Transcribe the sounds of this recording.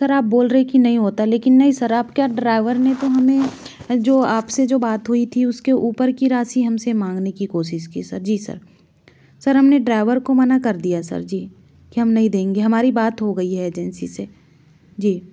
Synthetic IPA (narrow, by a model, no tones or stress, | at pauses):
sɐɾaːp̚boːlɾəɦekinɐɦĩɦoːt̪aleːkɪnːɐɦĩsɐɾaːpkjaɖɾaːɪʋəɾnet̪oɦɐmẽd͡ʒoːaːpsed͡ʒoːbaːt̪ɦuit̪ʰiʊskeʔuːpəɾkiɾaːsiɦɐmsemãːŋɡnekikoːʃɪʃkisɐɾd͡ʒiːsɐ̰ɾ | sɐɾɦɐmneɖɾaːɪʋəɾkomɐnakɐɾd̪ijasɐ̰ɾd͡ʒiː | kiɦɐmnɐɦĩd̪ẽːŋɡeɦɐmaːɾibaːt̪ɦoɡɐiɦɛːd͡ʒɛnsḭse | d͡ʒiː